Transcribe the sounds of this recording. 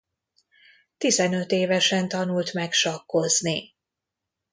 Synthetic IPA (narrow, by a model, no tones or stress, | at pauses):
t̪izɛnø̞t̪eːvɛʃɛnt̪ɒnult̪mɛkʃɒkːo̞zni